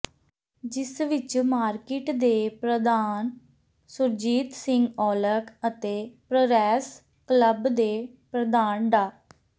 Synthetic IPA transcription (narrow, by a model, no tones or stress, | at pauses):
d͡ʒɪsʋɪt͡ʃmaːɾkɪʈd̪eːpɾəd̪aːn | sʊɾd͡ʒiːt̪sɪŋɡɔːləkət̪eːpɾəɾɛːs | kləbd̪eːpɾəd̪aːnɖaː